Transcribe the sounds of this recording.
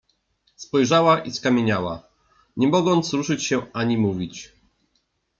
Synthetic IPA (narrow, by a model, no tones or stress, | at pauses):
spɔjʐawaʔiskamʲjeɲawa | ɲɛmɔɡɔnt̪sɾuʂɘt͡ɕɕɛaɲimuvʲit͡ɕ